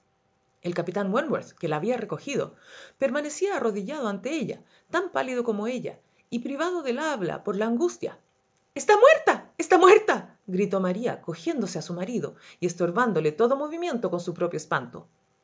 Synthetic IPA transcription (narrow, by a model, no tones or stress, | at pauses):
elkapit̪anwenboɾθkelaːβiareko̞xið̞o̞̰pe̞ɾmane̞siaːro̞ðiʝað̞oant̪eeʎa̰ | t̪ampa̰lið̞oko̞mo̞e̞ʎa̰ | ipɾiβaðoðelaβla̰poɾlaːŋɡust̪ja̰ | est̪amweɾt̪aest̪amweɾt̪a | ɣɾit̪o̞maɾia̰ko̞xje̞nd̪oseasumaɾiðo̞ | iest̪o̞ɾβand̪o̞let̪o̞ðo̞mo̞βimje̞nt̪o̞ko̞nsupɾo̞pjoespant̪o̰